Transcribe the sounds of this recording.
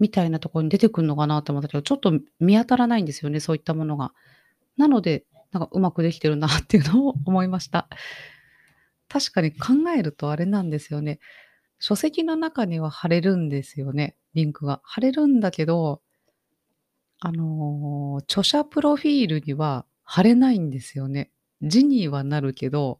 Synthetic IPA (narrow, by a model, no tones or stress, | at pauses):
mʲit̪ainat̪o̞ko̞ɾo̞ɲ̟id̪e̞t̪e̞kɯ̟ɯnːo̞kanaːt̪emt̪ːaked̪ot͡ɕo̞t̪ːo̞mʲiat̪aɾanaĩnd̪e̞sɨjo̞ne̞so̞ːit̪ːamo̞no̞ɡa̰ | nano̞d̪e̞ | nãŋkaʔɯ̟makɯ̟d̪e̞kʲi̥t̪e̞ɾɯ̟nat̪ːe̞jɯ̟nooːmo̞imaɕi̥t̪a | t̪aɕi̥kaɲ̟ikʰãŋɡae̞ɾɯ̟t̪o̞aɾe̞nãnd̪e̞sɨjo̞ne̞ | ɕo̞se̞kʲino̞nakaɲ̟iβ̞ahaɾe̞ɾɯ̟̃nd̪e̞sɨjo̞ne̞ | ɾʲĩŋkɯ̟ɡahaɾe̞ɾɯ̟̃nd̪ake̞d̪o̞ | ano̞ | t͡ɕo̞ɕapɯ̟ɾo̞ɸʲiːɾɯ̟ɲ̟iβa | haɾe̞naĩnd̪e̞sɨjo̞ne̞ | d͡ʑiɲ̟iːβanaɾɯ̟ke̞d̪o̞